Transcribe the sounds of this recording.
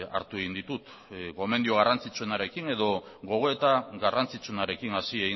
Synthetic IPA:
a̰ɾt̪ue̞ɣind̪it̪ut̪ | ko̞me̞nd̪io̞ɣ̞arant͡sit͡sue̞naɾe̞kine̞ðo̞ | ɣo̞ɣ̞o̞e̞t̪aɣarant͡sit͡suenaɾe̞kinasieɣi

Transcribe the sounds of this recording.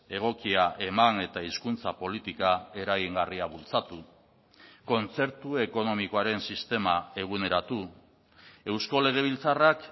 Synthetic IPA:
e̞ɣ̞o̞kiaʔe̞mane̞t̪aiskunt͡sapo̞lit̪ikae̞ɾaɣiŋɡariaβult͡sat̪u | ko̞nt͡se̞ɾt̪ue̞ko̞no̞miko̞aɾe̞nsist̪e̞mae̞ɣ̞une̞ɾat̪u | e̞wsko̞le̞ɣ̞e̞β̞ilt͡sarak

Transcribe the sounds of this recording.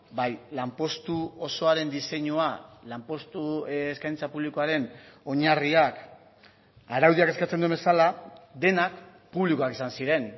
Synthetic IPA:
bajlampo̞st̪uoso̞aɾe̞nd̪ise̞ɲualampo̞st̪uːskajnt͡sapuβlikoaɾe̞no̞ɲariak | aɾawðiake̞skat͡se̞nd̪ue̞mbe̞salad̪e̞nak | puβliko̞akisansiɾe̞n

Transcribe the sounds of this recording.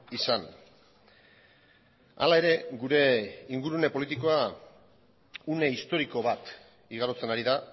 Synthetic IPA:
isan | a̰lae̞ɾe̞ɡuɾe̞iŋɡuɾune̞po̞lit̪iko̞a | une̞ist̪o̞ɾiko̞βat̪ | iɣ̞aɾot͡se̞naɾiða

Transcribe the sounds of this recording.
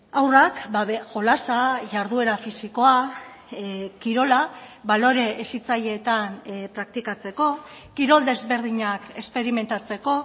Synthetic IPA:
awrakbaβeʝo̞lasaʝaɾðue̞ɾafisiko̞a | kiɾo̞laβalo̞ɾe̞ːsit͡saʎe̞ːt̪anpɾak̚t̪ikat͡se̞ko̞ | kiɾo̞ld̪e̞zβe̞ɾðiɲake̞spe̞ɾime̞nt̪at͡se̞ko̞

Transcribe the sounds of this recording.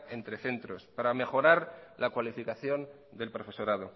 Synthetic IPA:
e̞nt̪ɾeθe̞nt̪ɾo̞spaɾame̞xo̞ɾaɾlakwalifikaθjo̞n | d̪e̞lpɾo̞fe̞so̞ɾað̞o

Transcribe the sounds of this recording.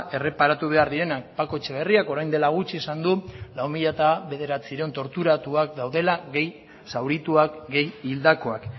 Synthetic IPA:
e̞re̞paɾat̪uβ̞e̞aɾðiɾe̞napako̞t͡ʃeβe̞riako̞ɾajnd̪e̞laɣ̞ut͡ʃiesand̪ulaumiʎat̪aβe̞ð̞e̞ɾat͡siɾent̪o̞ɾt̪uɾat̪uak̚d̪awð̞e̞laɣe̞j | sawɾit̪uakɡe̞jild̪ako̞ak

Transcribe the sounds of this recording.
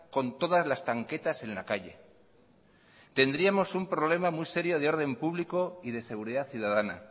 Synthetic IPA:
ko̞nt̪o̞ðazlast̪aŋke̞t̪ase̞nlakaʎe̞̰ | t̪e̞nd̪ɾiamo̞sumpɾo̞β̞le̞mamujse̞ɾjo̞ð̞eo̞ɾð̞e̞mpuβliko̞ið̞e̞se̞ɣuɾiðaθjuðaðana̰

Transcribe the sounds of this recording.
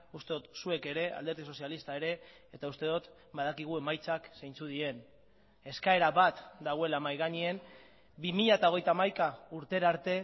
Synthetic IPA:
ust̪e̞ðut̪sue̞ke̞ɾe̞a̰ld̪e̞ɾðiso̞sialist̪aeɾe̞ː | t̪aust̪e̞ðot̪ | baðakiɣ̞ue̞majt͡saksejnt͡suð̞ie̞n | e̞skae̞ɾaβat̪d̪aɣ̞oe̞lamajɣaɲien | bimiʎaet̪ao̞ɣe̞jt̪aːmajkauɾt̪e̞ɾaɾt̪e̞

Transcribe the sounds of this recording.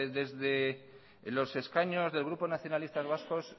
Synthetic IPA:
ðe̞zðe̞ | lo̞se̞skaɲo̞zðe̞lɣ̞ɾupo̞naθjo̞nalist̪azβ̞asko̞s

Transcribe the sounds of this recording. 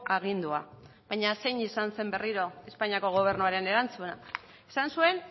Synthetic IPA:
ʔaɣ̞ind̪ua | βajɲase̞jɲisanse̞mbe̞riɾo̞e̞spaɲiako̞ɣ̞o̞β̞e̞ɾnuaɾe̞ne̞ɾant͡suna | e̥sansue̞n

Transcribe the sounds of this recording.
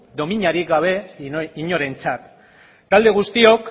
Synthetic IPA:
d̪o̞miɲaɾikɡaβ̞e̞iɲo̞ɾe̞nt͡sat̪ː | ald̪e̞ɣ̞ust̪io̞k

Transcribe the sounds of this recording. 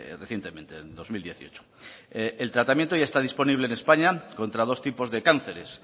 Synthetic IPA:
reθje̞nt̪emẽ̞nt̪end̪o̞zmild̪je̞θio̞t͡ʃo̥ | elt̪ɾat̪amjent̪o̞ʝaest̪að̞ispo̞niβleːne̞spaɲakõ̞nt̪ɾaðo̞st̪ipo̞zðe̞kan̟θe̞ɾes

